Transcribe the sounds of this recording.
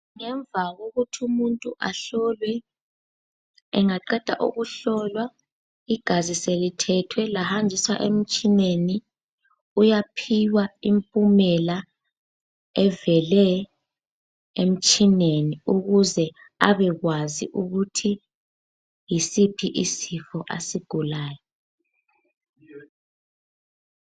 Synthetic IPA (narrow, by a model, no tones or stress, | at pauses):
ŋɛɱb̪vʱaɣoɣutʰumuntʼuʔaɬɔlwɛ | ɛŋaǃɛd̥ʱa̰ʔṵɣuɬɔlwa | iɡ̥ʱaziselitʰɛtʰwɛlahand͡ʒʱiswa̰ʔem̩t͡ʃʼineni | ujapʰiwaimpʼumɛla | ɛvɛlɛ | em̩t͡ʃʼineniuɣuzɛ | aβɛɣwazḭʔuɣutʰi | jisipʰiʔisifɔʔa̰siɡ̥ʱulaːjɔ